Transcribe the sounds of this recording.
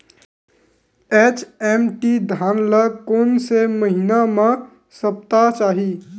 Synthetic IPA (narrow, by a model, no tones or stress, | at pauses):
et͡ʃemʈid̪ʱaːnləkoːnseməɦinamẽ | səp̚t̪at͡ʃaːɦi